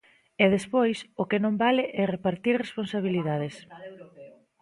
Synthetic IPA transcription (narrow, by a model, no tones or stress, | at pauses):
ɛðespojsʊkɪnõmbalɪʔɛrepaɾt̪iɾresponsaβ̞iliðað̞es